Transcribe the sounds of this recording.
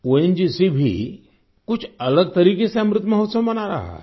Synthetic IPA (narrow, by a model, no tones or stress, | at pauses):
oend͡ʑisibʱḭː | kut͡sʰələɡ̚t̪əɾikesamɾɪt̪məɦot̪səʋmənaɾa̰ɦa̰